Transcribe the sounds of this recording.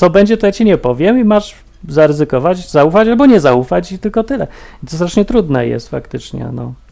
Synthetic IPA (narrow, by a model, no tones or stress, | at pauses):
sɔbɛɲd͡ʑɛt̪ɔjat͡ɕiɲɛpɔvʲjɛmimaʐ | zaɾɛzɘkɔvat͡ɕzaufat͡ɕalbɔɲɛzaufat͡ɕt̪ɘlkɔt̪ɘlɛit̪ɔst̪ɾaʂɲɛt̪ɾud̪nɛjɛ̰st̪fa̰kt̪ɘt͡ʂɲɛ̰nɔ